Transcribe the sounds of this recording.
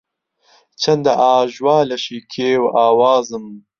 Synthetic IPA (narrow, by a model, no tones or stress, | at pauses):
t͡ʃʰɐnd̪ɐʔaːʒwɑːlɐʃiːkʰeːwaːwaːzɨm